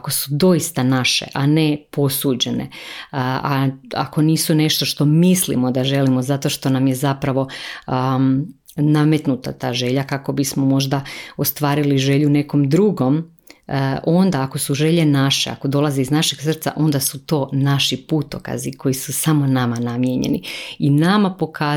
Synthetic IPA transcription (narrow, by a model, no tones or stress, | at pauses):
ako̞sud̪o̞ist̪anaʃe̞̰ʔane̞po̞suːd͡ʑe̞nḛ | aa̰ko̞niːsune̞ʃt̪o̞ʃt̪o̞mislḭmo̞d̪aʒe̞limo̞zat̪o̞ʃt̪o̞namjezapɾaʋo̞ | name̞t̪nut̪a̰t̪aːʒe̞ʎakako̞bismomo̞ʒd̪ao̞st̪ʋaːɾiliʒe̞ʎune̞ko̞md̪ɾuɡo̞m | ʔo̞nd̪aːko̞suʒe̞ʎe̞naʃea̰ko̞d̪o̞lˠazeiznaʃe̞ɡ̥sr̩t̪sa̰ʔo̞nd̪asut̪o̞ːnaʃiput̪oka̰zikʰo̞jisusamo̞namanamjeɲḛnḭinamapo̞kaː